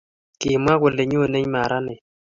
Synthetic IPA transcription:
kɪ˨ma˦kʷo˨le˨ɲo˦˨le˦ɲma˨ɾʔa˦nɪ˨

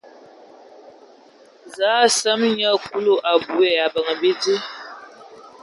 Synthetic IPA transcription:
zaː˨˦sə˦mɲə˦˨ku˦lo˦ʔa˨bu˨e˨a˨bə˨ŋ˨bi˦ti˦

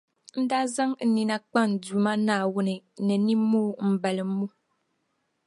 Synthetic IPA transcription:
n̩˦daː˦za˦ŋn̩˨ni˨na˦k͡pa˦n̩˨du˨ma˦naː˨˦˨wʊ˦nɨ˨nɛ˨ni˦moː˦m̩˨bɛ˨lɨ˨˦mu˦

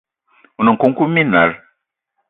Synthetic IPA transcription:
u˨no˨ŋ˨ko˨ŋ˦ku˦mi˦na̰˨ɾ

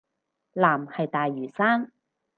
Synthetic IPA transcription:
laː˨˩mhɐ˨jt̪aː˨jːyː˨˩saː˥ŋ

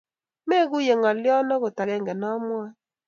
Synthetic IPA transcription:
me˦ɣu˦je˨ŋa˨ljɔ˦nɔ˦ɣo˨ta˨ɣɛ˦˨ŋɡɛ˨nɔ˦mwa˦

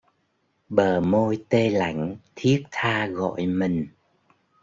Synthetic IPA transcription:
ɓəː˨˩mo˧jt̪e˧la̰˧˩˦jŋ̟t̪ʰi˦˥ək̚t̪ʰaː˧ɣɔ̰˧˨jmï˨˩ŋ̟

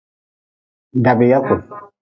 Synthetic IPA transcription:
da˨be˨ja˦ko˨

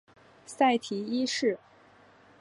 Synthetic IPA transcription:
sa˥˩ɪt̪ʰi˧˥i˥ʂɻ̩˥˩

